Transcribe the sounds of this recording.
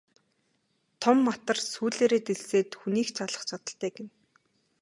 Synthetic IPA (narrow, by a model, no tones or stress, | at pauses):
t̪ʰɔmːat̪ə̆rsuːɮeːɾeːt̪eɮseːt̪xuniːxt͡ɕʰaɮə̆χt͡ɕʰat̪ə̆ɬt̪æːɡĕn